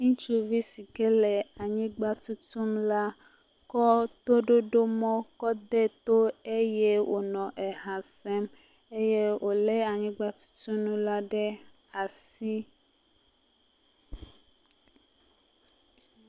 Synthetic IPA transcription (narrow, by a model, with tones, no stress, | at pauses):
ŋũ˦t͡ʃu˦vi˦si˨ke˦lɛ˨a˨ɲĩ˦ɡ͡ba˦t̪u˦t̪u˦mla˦ | kɔ˦t̪o˦ɖo˦ɖo˦mɔ̃˦kɔ˦d̪ɛ˦t̪o˦e˦je˦wo˨nɔ̃˨ʔɛ˨ɦã˨sɛ˦m | e˦je˦wo˨lɛ˦a˨ɲĩ˦ɡ͡ba˦t̪u̥˦t̪u˦nũ˦la˦ɖɛ˦ | a˨si˦